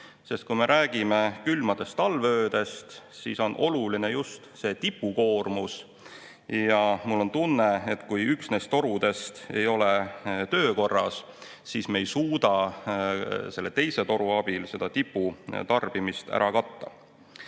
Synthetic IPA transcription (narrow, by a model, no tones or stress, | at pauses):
se̞st̪̚kujme̞ɾʔæːɡ̥ime̞kylmɑd̪̥e̞st̪ɑlvøøːd̪̥e̞st̪sḭːso̞nʔo̞̰luline̞just̪se̞ːt̪ipːˑuko̞ːrmus | jɑmulːo̞nt̪unːe̞et̪kujyksne̞st̪o̞ɾud̪e̞st̪e̞̰jo̞let̪ø̞ːko̞rːɑs | siːsme̞jsuːd̪̥ɑ | se̞lːet̪e̞jse̞t̪o̞ɾuɑb̥ilse̞d̪̥ɑt̪ipːˑut̪ɑrb̥imist̪æ̰ɾɑkɑt̪ːɑ̰